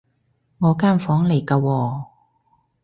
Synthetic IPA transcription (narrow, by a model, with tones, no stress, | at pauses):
ŋɔː˨˧kaː˥˩nfɔː˨˥ŋle˨˩jkaː˧wɔː˧